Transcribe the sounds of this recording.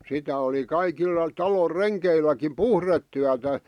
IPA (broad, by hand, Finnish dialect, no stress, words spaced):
sitæ oli kɑikilːɑ tɑlor renkeilːækim puhretːyætæ